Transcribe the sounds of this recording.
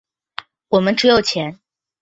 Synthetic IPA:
wɔ˨˩mə˦nʈ͡ʂɻ̩˧˥jo˨ʊt͡ɕʰjɛ˧˥n

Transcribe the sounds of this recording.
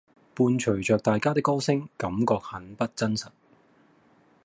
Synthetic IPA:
puː˧nt͡ʃʰɵ˨˩ɥt͡ʃœː˨k̚t̪aː˨jkaː˥t̪ɪ˥kːɔː˥sɪ˥ŋkɐ˨˥mkɔː˧k̚hɐ˨˥npɐ˥t̚t͡sɐ˥nsɐ˨t̚

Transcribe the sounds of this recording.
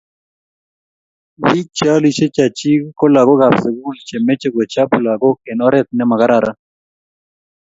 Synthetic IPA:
wi˦t͡ʃa˦li˦ʃe˦t͡ʃa˨t͡ʃi˦ko˦la˨ɡo˦ɡa˨psə˨ɡu˦lt͡ʃe˨mɛ˦t͡ʃe˦ɡo˨t͡ʃa˦pu˨la˨ɡo˦kɛ˨nɔ˦ɾɛ˦t̪̚nɛ˦ma˨ɡa˦ɾa˨ɾa˦

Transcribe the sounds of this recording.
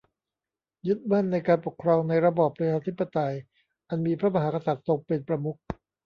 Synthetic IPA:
jɯ˦˥t̪̚ma˥˩nːa˧jkaː˧npo˨˩kʰɾɔː˧ŋna˧jɾa˧bɔː˨˩pːɾa˧t͡ɕʰaː˧t̪ʰi˦˥pːa˧t̪a˧j | ʔa˧nmiː˧pʰɾa˦˥ma˧ɦaː˩˦ka˧sa˨˩t̪̚so˧ŋpe˧npɾa˧mu˦˥k̚

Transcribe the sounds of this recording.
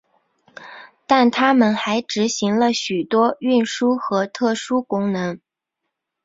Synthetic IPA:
t̪a˥˩nt̪ʰa˥mə˨nxa˧˥ɪʈ͡ʂɻ̩˧˥ɕi˧˥ŋlə˧ɕy˨˩t̪wɔ˥y˥˩nʂu˥xɤ˧˥t̪ʰɤ˥˩ʂu˥kʊ˥ŋnɤ˧˥ŋ

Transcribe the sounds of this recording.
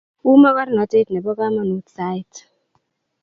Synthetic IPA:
u˦ma˦ka˦ɾnɔ˨˦te˦tnɛ˨bɔ˦ka˦ma˦nu˨˦tsa˨˦i˦t

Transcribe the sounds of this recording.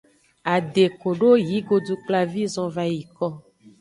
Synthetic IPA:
a˨ɖe˨ko˨ɖo˦ji˨˦ɡo˨du˦k͡pla˦vi˦zɔ̃˦va˦ji˨kɔ˦

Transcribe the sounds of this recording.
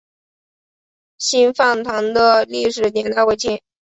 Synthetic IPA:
ɕi˥nfɑ˥˩ŋt̪ʰɑ˧˥ŋd̪ə˧li˥˩ʂ̬ɻ̩˨˩njɛ˧˥nt̪ʰa˥˧ɪwe˥˧ɪt͡ɕi˥˩n

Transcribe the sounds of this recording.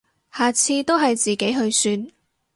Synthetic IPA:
haː˨t͡sʰiː˧t̪o˥wɦɐ˨jt͡siː˨ke˨˥jɦɵ˧ɥsyː˧n

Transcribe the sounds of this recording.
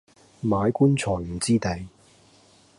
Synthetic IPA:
maː˨˧˥jkuː˥nt͡sʰɔː˨˩m̩˨˩t͡siː˥t̪e˨˧j

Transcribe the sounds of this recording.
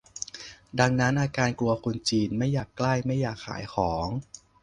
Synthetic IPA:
da˧ŋna˦˥nʔaː˧kaː˧nklu˧ɐkʰu˧nt͡ɕiː˧nma˥˩jːaː˨˩kːla˥˩jma˥˩jːaː˨˩k̚ʰːa̰ː˩˦jxʰɔː˩˦ŋ

